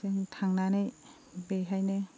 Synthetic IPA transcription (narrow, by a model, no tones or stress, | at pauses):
eŋtʰaŋnanej | beɦajne